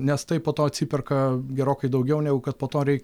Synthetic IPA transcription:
nʲɛst̪ɐɪppoːt̪oːɐtʲsʲipʲɪrkɐɡʲɛɾoːkɐɪd̪ɐʊɡʲɛʊnʲɛːɡʊkɐt̪̚poːt̪oːɾʲɛɪkʲ

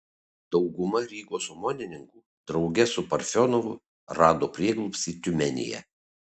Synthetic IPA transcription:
d̪ɒʊɡʊmɐɾʲiːɡoːsɔmoːnʲɪnʲɪŋkuː | d̪̥ɾɒʊɡʲɛsʊpɐɾʲfʲɔnɔʋʊ | ɾɑːd̪oːpʲɾʲiɛɡlˠʊpsʲiːt̪ʲʊmʲɛnʲɪ̰jɛ̰

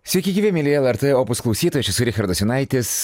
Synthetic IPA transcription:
sʲʋʲɛɪkʲɪɡʲiːʋʲɛmʲilʲiɛlˠɛɾt̪ɛoːpʊsklˠɐʊsʲiːt̪oːjɛt͡ʃʲɪsʊɾʲɪxʲɐɾd̪ɔsʲɪnɑɪt̪ʲɪs

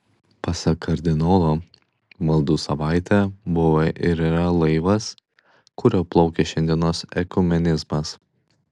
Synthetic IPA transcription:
pɐsɐkʰɐɾʲd̪ʲɪnɔːlˠoː | mɐlˠd̪uːsɐʋɑˑɪt̪ʲɛˑbʊʋɐʔɪɾiɾɐlˠɐɪʋɐs | kʊɾʲoːplˠɒʊkʲɛʃʲɛnʲd̪ʲiɛnoːsɛkʊmʲɛnʲɪzmɐs

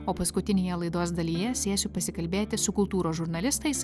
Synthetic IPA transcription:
oːpɐskʊt̪ʲɪnʲeːjɛlˠɐɪd̪oːsd̪ɐlʲiːjɛsʲeːsʲʊpɐsʲɪkɐlʲbʲeːt̪ʲɪsʊkʊlˠt̪uːɾoːʒʊɾnɐlʲɪst̪ɐɪs

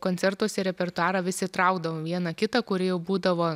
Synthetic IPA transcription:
koːnʲtt͡s̪ʲɛrt̪uɔsʲɛɾʲɛpʲɛrt̪ʊɑːɾɐʋʲɪsʲɪt̪ɾɐˑʊɡd̪ɐʋoːʋʲiɛnɐkʲɪt̪ɐkʊɾʲɪjɛʊbuːd̪ɐʋoː

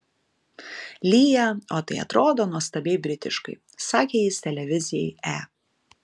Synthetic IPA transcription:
lʲijɛoːt̪ɐɪɐ̰t̪ɾoːd̪oːnuɔst̪ɐbʲɛɪbʲɾʲɪt̪ʲɪ̰ʃkɐ̰ɪ | sɑːkʲeːjiːst̪ʲɛlʲɛʋʲɪzʲɪjɛɪæː

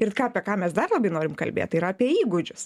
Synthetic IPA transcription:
ɪrkɑːɐpʲiɛkɑːmʲɛsd̪ɐrlˠɐbɐɪnoːɾʲɪmkɐ̰lʲbʲḛːt̪ɪiːɾɐɐpʲiɛiːɡʊd͡ʒʲʊs

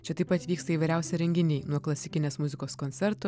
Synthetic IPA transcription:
t͡ʃʲɛt̪ɐɪpɐt̪ʲʋʲiːkst̪ɐiːʋɐɪɾʲæˑʊsʲɛɾʲɛŋʲɡʲɪnʲiːnuɔklˠɐsʲɪkʲɪnʲeːsmʊzʲɪkoːskonʲt̪ʲɛɾt̪ʊ

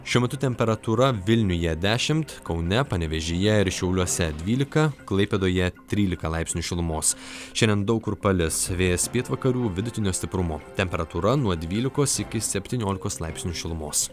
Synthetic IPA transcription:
ʃʲuɔmʲɛt̪ʊt̪ʲɛmʲpʲɛɾɐt̪uɾɐʋʲɪlʲnʲʊjɛd̪ʲæːʃʲɪmt̪kɒʊnʲɛpɐnʲɛʋʲɛʒʲeːjɛɪɾʃʲɛʊlʲuɔsʲɛd̪ʲʋʲiːlʲɪkɐklˠɐɪpʲed̪oːjɛt̪ʲɾʲiːlʲɪkɐlˠɑɪpʲsʲnʲuːʃʲɪlˠʊmoːsʃʲɛnʲd̪ʲɛnd̪ɐʊkɾpɐlʲɪsʋʲeːjɛspʲeːt̪ʋɐkɐɾʲuːʋʲɪd̪ʊt̪ʲɪnʲoːst̪ʲɪpɾʊmoːt̪ʲɛmʲpʲɛɾɐt̪uɾɐnuɔd̪ʲʋʲiːlʲɪkoːsɪkʲɪsʲɛpʲt̪ʲiːnʲoːlʲɪkoːslˠɑɪpsʲnʲuːʃʲɪlˠʊmoːs

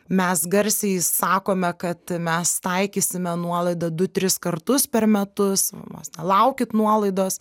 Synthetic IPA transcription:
mʲɛsɡɐɾʲsʲɛɪsɑːkoːmʲɛkɐt̪mʲɛst̪ɐɪkʲiːsʲɪmʲɛnuɔlˠɐɪd̪ɐd̪ʊt̪ʲɾʲɪskɐrt̪ʊspʲɛrmʲɛt̪ʊsno̰ːsnʲɛlˠɐʊkʲɪt̪nuɔlˠɐɪd̪oːs

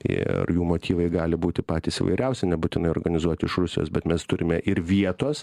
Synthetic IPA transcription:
t̪ʲḭɐ̰rjuːmoːt̪ʲiːʋɐɪɡɑːlʲɪbuːt̪ʲɪpɑːt̪ʲiːsɪʋɐ̰ɪɾʲɛʊsʲɛnʲɛbʊt̪ʲɪnɐɪoːrɾɡɐnʲɪzuɔt̪ʲɪɪʃrʊsʲɪjo̰ːsbʲɛt̪mʲɛst̪ʊɾʲɪmʲɛʔɪɾʋʲiɛt̪oːs

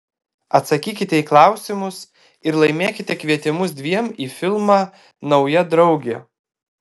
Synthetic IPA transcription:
ɐt̪sɐkʲiːkʲɪt̪ʲɛiːklˠɑˑʊsʲɪmʊs | ɪɾlˠɐɪmʲeːkʲɪt̪ʲɛkʋʲiɛt̪ʲɪmʊsd̪ʲʋʲiɛmiːfʲɪlˠmɑː | nɒʊjɛd̪ɾɒʊɡʲɛ

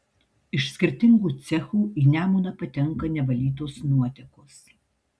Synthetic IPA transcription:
ɪʃsʲkʲɪɾʲt̪ʲɪŋɡuːt̪sʲɛxuːʔiːnʲæːmuːnɐpɐt̪ʲɛŋˑkɐnʲɛʋɐlʲiːt̪̬osnuɔt̪ʲɛkʊs

